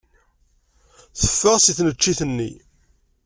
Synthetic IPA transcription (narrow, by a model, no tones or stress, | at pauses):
θə̥fːəʁsiθnət͡ʃːiθənːḭ